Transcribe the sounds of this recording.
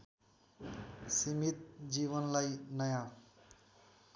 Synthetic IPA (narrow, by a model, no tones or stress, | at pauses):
simit̪̚d͡ʒibʌnlajnʌja